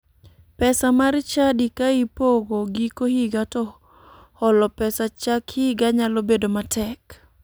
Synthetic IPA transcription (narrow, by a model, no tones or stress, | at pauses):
pɛsamaɾt͡ʃadikaipoɡoɡikohiɡatɔ | hɔlɔpɛsat͡ʃakhiɡaɲalobedomatɛk